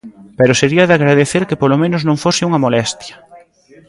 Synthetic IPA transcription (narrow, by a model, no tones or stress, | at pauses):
peɾoseɾiɐðɪaɣɾaðeθeɾkepolomẽnoʊznõŋfosɪuŋɐmolɛst̪jɐ̥